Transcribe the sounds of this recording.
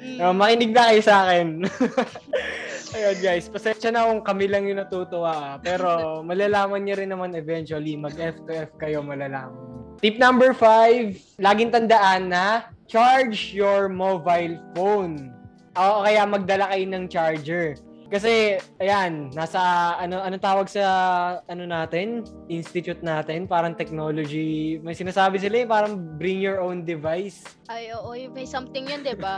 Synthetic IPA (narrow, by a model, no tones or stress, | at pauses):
omɐkɪnɪɡ̚nɐkɐjosɐaːkɛn | ɐjonɡajspɐsɛnʃɐnɐkʊŋkɐmɪlɐŋjʊŋnɐt̪uːt̪oʔaʔapɛːɾo̞mɐlalaːmɐnɲɐɾɪnːɐmanɛvɛnt͡ʃwɐlimɐɡʔɛft̪ɛʔɛfkɐjo̞mɐlalaːmɐnt̪ip̚nɐmbɛɹfajv | laːɡɪŋt̪ɐnd̪ɐʔanːɐt͡ʃaɹd͡ʒjoɹmobajlfown | ʔoʔokɐjamɐɡ̚d̪ɐlakɐjnɐŋt͡ʃaɹd͡ʒɛɹ | kɐs̬ɛʔɐjanːaːsɐʔɐnoʔɐnot̪aːwɐɡ̚sɐʔɐnonaːt̪ɛn | ʔɪnst̪ɪt̪ʊt̪̚naːt̪ɛnpaːɾɐŋt̪ɛk̚no̞ːlod͡ʒimɐjsɪnaːsaːbɪs̬ɪlaɛpaːɾɐŋbɾɪŋjɔɹʔownd̪ɪvajs | ʔajoːʔojɐjsɐmt̪ɪŋjond̪ɪba